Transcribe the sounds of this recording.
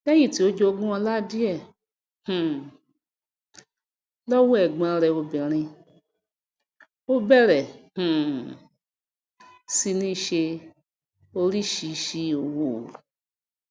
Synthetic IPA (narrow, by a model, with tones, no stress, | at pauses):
kɛ˦ji˦˨ti˨o˦d͡ʒo˧o˦ɡũ˦ɔ˧la˦di˦ɛ˦˨ | hũ˨ | lɔ˦wu˦ɛ˨ɡ͡bã˧ɾɛ˧o˧bi˨ɾ̃ĩ˧ | o˦bɛ˦ɾɛ˨hũ˨ | si˧nĩ˦ʃe˧ | o˧ɾi˦ʃi˧˨ʃi˧o˨wo˨